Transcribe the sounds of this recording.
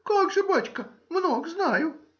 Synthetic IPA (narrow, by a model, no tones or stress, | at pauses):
kakʐɨbat͡ɕkəmnoɡznajʊ